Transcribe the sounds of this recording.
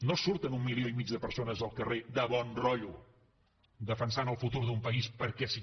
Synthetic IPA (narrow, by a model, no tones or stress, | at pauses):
nosuɾt̪ənumːilioimid͡ʒðəpəɾsonəzəlˠkəred̪əβɔnrɔʎu | d̪əfənsanəlˠfut̪uɾðumpəispəɾkɛsi